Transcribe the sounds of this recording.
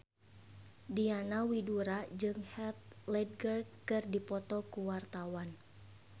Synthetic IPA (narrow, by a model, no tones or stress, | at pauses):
dianawiduɾad͡ʒɨŋhɛt̪̚lɛd̚ɡərkɨrdipɔt̪ɔkuwart̪awan